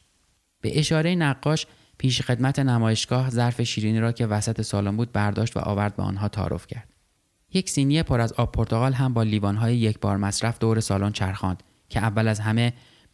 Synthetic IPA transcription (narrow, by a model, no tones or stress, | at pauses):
b̥e̞̰ʔeʃɒːɾejinæɢːɒːʃ | pʰiːʃxe̞d̪mæt̪ʰe̞næmɒːje̞ʃɡ̥ɒːhzæɾfe̞ʃiːɾiːniːɾɒːcʰe̞væsæt̪ʰe̞sɒːlonmbuːd̪̚bæɾd̪ɒːʃt̪væ̰ʔɒ̰ːvæɾd̪̚bḛɒ̰ːnɦɒːt̪ʰɒ̰ːɾo̰fcʰæɾd̪̥ | je̞csiːnijepʰoɾæzɒːb̚ʰoɾt̪ʰo̞ɣɒːlɦæmbɒːliːbɒːnɦɒːjejecʰbɒ̰ːɾmæsɾæfd̪oːɾe̞sɒːlont͡ʃʰæɾxɒːnd̪̥ | cʰeævːælæzɦæme̞